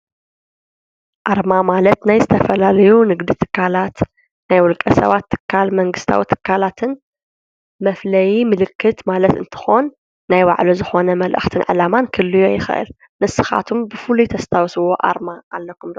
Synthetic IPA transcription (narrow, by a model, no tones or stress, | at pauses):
ʔaɾmamalɐt̪najzɨt̪ʰɐfɐlalɐjunɨɡd̪it̪ʰɨ̥kʰːalat̪ | najwɔlkʼɐsɐ̰βat̪ʰːɨ̥kʰːalmɐŋɡɨst̪ʰa̰wit̪ʰɨ̥kʰːalat̪ʰɨn | mɐflɐjimɨlɨkʰːɨt̪malɐt̪ɨ̰nt̪ʰɨ̥xonː | ajwaʕluzɨxo̞nɐmɐlʔɨ̰xt̪ʰɨnʕɨ̰lamankʰɨlːɨjojɪxɐ̰ʔɨ̰l | nɨsɨxa̰t̪ʰumbɨfɨlut̪ʰɐst̪ʰawsɨwo̞ʔa̰ɾmaalːɐkʰːumd̪ɐ